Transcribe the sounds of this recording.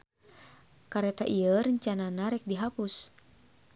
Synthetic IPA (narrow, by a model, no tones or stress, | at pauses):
kaɾɛt̪aʔiəɾəɲt͡ʃananaɾɛk̚diɦapus